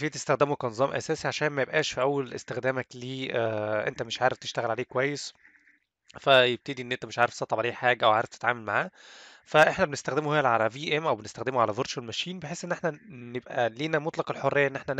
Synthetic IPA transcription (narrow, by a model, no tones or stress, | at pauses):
fiːt̪est̪æxd̪emukænezˤɑːmʔæ̰sæːsiʕaʃæːnmæjebʔæːʃfiʔæwːællest̪exd̪æːmækliːʔʔḛnt̪æmeʃʕaːɾeft̪e̥ʃt̪æɣælʕaleːkowæjːes | fæjeb̚t̪ed̪iʔenːʔent̪æmeʃʕaːɾeft̪sɑt̪ˤːɑbʕaleːħaːɡæʔæwʕaːɾeft̪e̥t̪ʕa̰ːmælmaʕaː | fæʔeħnæbenest̪æxd̪emuhejːælʕalæviːʔemʔæwbenest̪æxd̪emuʕalævoɾʃælmæʃiːnbeħeːsʔenːeħnænebʔæliːnæmot̪ˤlɑqelħorːejæʔenːʔeħnæn